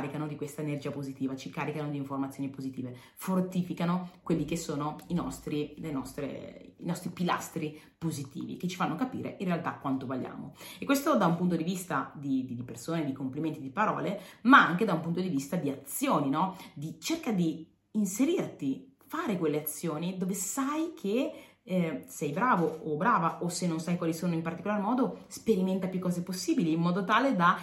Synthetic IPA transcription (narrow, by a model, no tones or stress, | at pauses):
ɾikanod̪ikwest̪aenerd͡ʒiːapozit̪iːvat͡ʃikaːɾikanod̪iːɱformat̪sːjoːnipozit̪iːve | fort̪iːfikanokwelːikesːoːnoinɔ̰st̪ɾilenɔst̪ɾḛḭnɔst̪ɾipila̰st̪ɾi | pozit̪ḭːvḭket͡ʃːifanːokapḭːɾʔḛʔinrealt̪akːwant̪ovolːja̰ːmo̰ekwest̪od̪aumpunt̪od̪ivist̪ad̪id̪id̪ipersoːned̪ikompliment̪id̪ipaɾɔ̰ːlemaaŋk̟ed̪aumpunt̪od̪ivist̪ad̪iat̪sːjoːninɔd̪it͡ʃerkad̪iː | nseɾirt̪ifaːɾekwelːeat̪sːjoːnid̪oːvesajkʰe | sɛjbɾaːvoobɾaːvaʔosenːonsajkwaːlisoːnoimpart̪ikolarmɔːd̪ospeɾiment̪apjukːɔːzeposːiːbiliːmːɔːd̪ot̪aːled̪a